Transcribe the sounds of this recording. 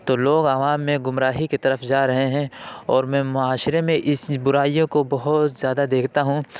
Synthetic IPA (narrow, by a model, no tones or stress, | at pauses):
t̪oːloːɡaʋaːmːẽɡʊmɾaːɦiket̪ɐɾəfd͡ʒaːɾɐɦeɦɛ̃ɔːɾmɛ̃ːmʊaːʃɾemẽʔɪsbʊɾaːijõkobɐɦʊt̪zjaːd̪ad̪eːkʰt̪aɦũ